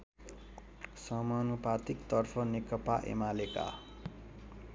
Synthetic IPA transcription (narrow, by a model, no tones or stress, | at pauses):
sʌmʌnupat̪ikt̪ʌrpʰʌnekʌpaʔḛmaleka̰